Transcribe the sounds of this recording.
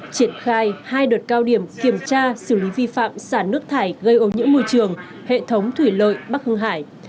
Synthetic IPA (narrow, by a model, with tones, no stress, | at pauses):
t͡ɕi˧˩ənxaː˧jhaː˧jɗəː˨˩t̚kaː˧wɗi˧˩əmki˧˩əmt͡ɕaː˧sɨ˧˩li˨˦vi˧fa̰ː˧˨msaː˧˩nɨ˦˥ək̚t̪ʰaː˧˩jɣə˧jʔo˨˦ɲɨ̰˧˥əmo˧jt͡ɕɨ˨˩əŋ | hḛ˧˨t̪ʰə˨˦wŋ͡mt̪ʰwi˧˩lə̰˧˨jɓa˦˥k̚hŋɦaː˧˩j